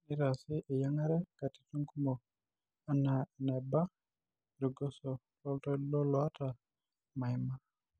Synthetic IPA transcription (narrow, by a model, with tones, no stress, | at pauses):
nɪ˦ɾa˨sɪ˦ʔe˨ja˦ŋa˦ɾɛ˦ka˨ti̥˨tu˦ŋku˦mɔ˨ | a˦na˨nɛ˨ba˦ | ɾi˨ɡɔ˦sɔ˨ | lɔ˦ltɔ˦lɔ˦lɔ˨a˦ta˨ | ma˨i˨ma˦